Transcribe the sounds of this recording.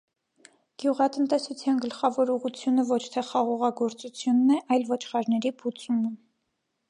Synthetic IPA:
ɡ̥juʁɑt̪ənt̪ɛsut͡sʰjɑnɡəlχɑvɔɾuʁut͡sʰjunəvɔt͡ʃʰt̪ʰɛχɑʁɔʁɑɡɔɾt͡sut͡sʰjunːɛʔɑjlvɔt͡ʃʰχɑɾnɛɾibut͡sumə

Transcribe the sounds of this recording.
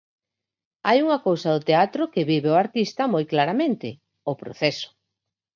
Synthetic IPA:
ajuŋɐkowsɐðʊt̪eat̪ɾʊkɪβiβeʊaɾt̪ist̪ɐmojklaɾamẽnt̪ɪ | opɾo̰θɛsʊ̥

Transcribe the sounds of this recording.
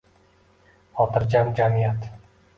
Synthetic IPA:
ɒt̪ɨɾd͡ʒamd͡ʒamijat̪

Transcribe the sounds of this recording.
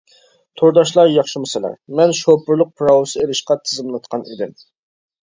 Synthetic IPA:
t̪ʰoɾd̪ɑʃlˠɑɾjɑχʃimɛsɪlˠæ̰ɾmɛnʃopʊɾlˠʊq̚pʰɾɑwʊsɨeɾɪʃqɑt̪ʰɨzɨmlˠɨt̪̚qʰɑnʔḭd̪ɪm

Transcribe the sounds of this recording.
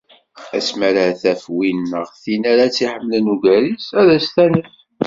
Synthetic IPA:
æ̰smæɾaθæfwinːəʁθinæɾat͡sːiħəmːələnuʝæɾisæðæst̪ænəθ

